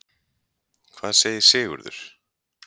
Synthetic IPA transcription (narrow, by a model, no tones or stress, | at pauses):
kʰvaːðseːjɪ̥sɪːɣʏ̰ɾðʏ̰ɾ̥